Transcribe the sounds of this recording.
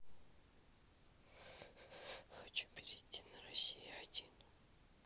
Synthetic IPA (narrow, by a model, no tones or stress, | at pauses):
xɐt͡ɕu̥pʲɪɾʲɪt̪ʲːinəɾɐsʲijɪɐd̪ʲin